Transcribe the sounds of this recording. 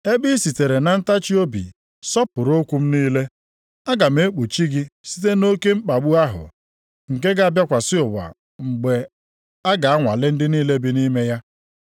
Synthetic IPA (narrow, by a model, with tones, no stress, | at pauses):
e˦bi˦si˨te˨ɾe˨na˨n̩˦ta˦t͡ʃi˦o˦bḭ˨ | sɔ˦pʊ˨ɾo˦kʷu˦m̩˦niː˦le˦ | a˦ɡa˨m̩e˦k͡pu˨t͡ʃi˦ɡɪ˦si̥˦t̬e˦no˦ke˦ŋ͡m̩˦k͡pa˨ɡ͡bu˦a˦ɦʊ̰˨ | ŋ̩˨ke˦ɡa˨a˦˨bja˦kʷa˨sɪ˦ʊ˨ba̰˨ | ŋ͡m̩˨ɡ͡be˨ | a˦ɡa˨a˦ŋʷa̰˨lɪ˦n̩˦dɪ˦niː˦le˦bi˦ni˦me˦ja˦